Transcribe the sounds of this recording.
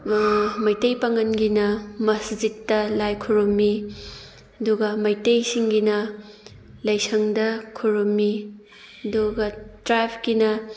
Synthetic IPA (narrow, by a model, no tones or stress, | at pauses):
mɐjtejpɐŋɐnɡinɐmɐsd͡ʒitːɐlajkʰuɾumːi | ɐduɡɐmɐjtejsiŋɡinɐ | lɐjsɐŋdɐkʰuɾumːi | ɐduɡɐtɾajpʰɡinɐ